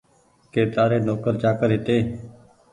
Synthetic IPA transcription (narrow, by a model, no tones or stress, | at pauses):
keːt̪aːɾeːnoːkəɾt͡ʃaːkəɾɦɪt̪eː